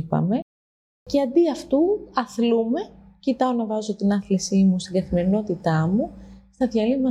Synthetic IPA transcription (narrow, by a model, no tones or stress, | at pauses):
pɐ̰me̞ | ce̞ɐnd̪iɐft̪uɐθlume̞cit̪ɐo̞nɐvɐzo̞t̪inɐθlisimust̪iŋɡɐθime̞ɾino̞t̪it̪ɐmust̪ɐðʝɐlimɐ